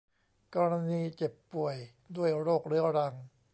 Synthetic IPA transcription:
kɔː˧ɾa˧niː˧t͡ɕe˨˩pːu˨˩əj | du˥˩əjɾoː˥˩k̚ɾɯ˦ɾa˧ŋ

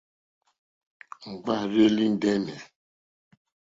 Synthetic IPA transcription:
ŋ͡m̩˨ɡ͡ba˦˨ɾe˦li˦n̩˦dɛ˦nɛ˨

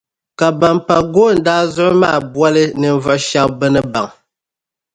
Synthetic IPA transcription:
ka˨ba˨mpa˨ɡoː˦˨n̩˨daː˦zʊ˦ʔɨ˦maː˦˨bwa˦lɨ˦nɨ˨ɱ˦vɔ˨ʔʃa˦bɛ˦nɨ˦ba˨ŋ

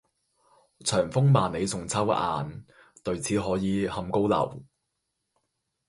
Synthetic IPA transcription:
t͡sʰœː˨˩ŋfʊ˥ŋmaː˨nne˨˧jsʊ˨˩ŋt͡sʰɐ˥wa̰ː˨n | t̪ɵ˨ɥt͡sʰiː˨˥ɦɔː˨˥jiː˨˧hɐ˧mko˥wlɐ̰˨˩w

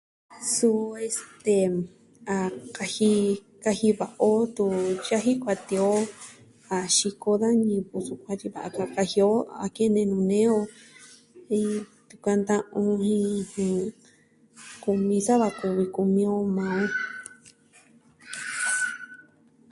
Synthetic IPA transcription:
su˧e˧st̪e˧ | a˧ka˧hi˧ | ka˧hi˧βa˨ʔo˦t̪u˧ja˦ɦi˦kʷa˧t̪i˧o˦ | a˨ʃi˧ko˧ða˦nĩ˧βu˧su˧kʷã˧t͡ʃi˧βa˨ʔa˧ka˧ka˧hi˧o˦a̰˨ke˦˧nẽ˧nũ˧nẽ˦o˧ | ĩ˧t̪u˧˨ka˧nd̪ã˦ʔũ˧hĩ˦˧hũ˧˨ | ku˧mĩ˧sa˦βa˧ku˧βi˧ku˧mĩ˧o˧mãː˧õ˦

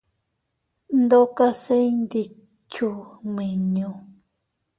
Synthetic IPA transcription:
nd̪o˦ka˦se˦jnd̪i˨ | t͡ʃu˨mi˨ɲu˧

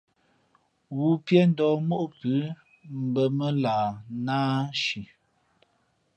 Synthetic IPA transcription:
wu˨pjɛ˦n̩˦dɔː˨˦mo˦ʔo˦pʉ˨˦ | m̩˨bə˨mə˦laː˨naː˦ʃi˨

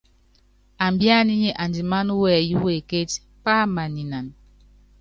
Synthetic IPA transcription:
a˨mbja˦˨ni˦ɲe˨ʔa˨ndi˨ma˦n˦wɛ˨ju˦we˨ke˦t | pa˦ma˨ni˨na˨n

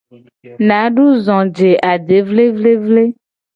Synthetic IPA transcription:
nã˨˦ɖu˦zɔ̃˨d͡ʒe˨ʔa˨ɖe˨˦vle˦vle˦vle˦

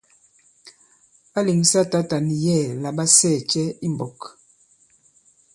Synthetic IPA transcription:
a˦li˨ŋsa˦ta˦ta˨ni˨jɛ˦˨la˨ba˦sɛ˦˨t͡ʃɛ˦i˦m˨bɔ˨k

